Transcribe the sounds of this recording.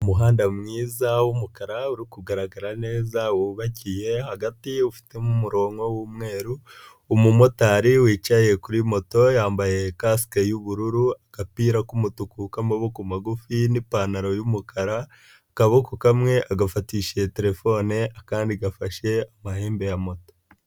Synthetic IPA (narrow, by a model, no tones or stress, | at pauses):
umuɦaːndamŋiːzawumukaɾauɾikuɡaɾaɡaɾane̞ːzawuβacije̞haɡatiufi̥temumuɾo̞ːŋwowumŋe̞ːɾuː | mumo̞taɾiwiːt͡ʃaje̞kuɾimo̞to̞jaːmbaje̞kaskejuβuɾuɾuaɡ̥apiːɾakumutukukamaβukumaɡufinipanaɾo̞jumukʰaɾa | kaβokukamŋe̞ʔaɡafatiːʃe̞te̞ɾe̞fo̞neʔakaːndiɡafaʃe̞amaheːmbe̞jamo̞to̥